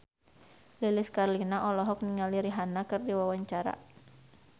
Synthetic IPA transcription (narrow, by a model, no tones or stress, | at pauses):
liliskarlinaʔɔlɔɦɔk̚niŋaliɾiɦanakɨrdiwawaɲt͡ʃaɾa̰